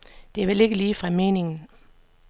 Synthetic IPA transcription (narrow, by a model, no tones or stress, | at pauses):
d̥e̝æʋele̝ɡ̥əliːfʁɑ̈me̝ːne̝ŋn̩